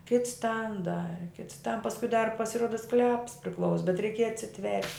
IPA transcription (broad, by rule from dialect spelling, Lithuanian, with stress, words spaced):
kʲɪts tɐn ˈdɑːrʲɪ kʲɪts tɐn pɐskʊɪ dɐr pɐsʲɪˈruɔdɐ sklʲɛps pʲrʲɪˈklˠɐʊs bʲɛt rʲɛɪˈkʲiɛjɛ ɐtʲsʲɪˈtʲʋʲɛrʲtʲ